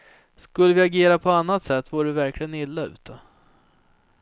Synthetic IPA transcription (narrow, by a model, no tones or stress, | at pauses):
skɵlːəvɪaɡeːɾapʰɔanːat̪sɛt̪ʰːvuːɖɛvæɾklɪɡənɪlːaʉ̟̰ːt̪ʰə